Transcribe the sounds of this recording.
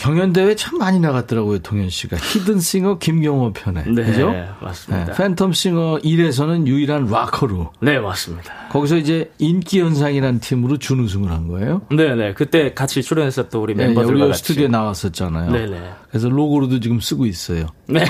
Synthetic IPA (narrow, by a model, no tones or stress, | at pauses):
kjʌŋjʌnde̞we̞t͡ɕʰamːaɲinaɣat̚t͈ɯɾaɡojotʰoŋjʌnɕ͈iɡa̰çidɯns͈iŋʌkimɡjʌŋʌpʰjʌne̞̰nekɯd͡ʑoma̰s͈mnḛafʰe̞ntʰʌms͈iŋʌʔiɾe̞s̬ʰʌnɯnjuiɾɦanwakʰʌɾune̞mas͈ɯmɲidḁkʌɡis̬ʰʌid͡ʑe̞ink͈iʌns̬ʰaŋiɾanɯntʰimɯɾot͡ɕunɯs̬ʰuŋɯɭɦanɡʌḛjonenekɯt͈e̞kat͡ɕʰit͡ɕʰuɾjʌnɦes͈ʌt͈ouɾimeuɾiʌsʰtʰɯduenawas͈ʌt̚t͡ɕ͈ana̰joenekɯɾes̬ʰʌloɡoɾudot͡ɕiɡɯms͈ɯɡois͈ʌjone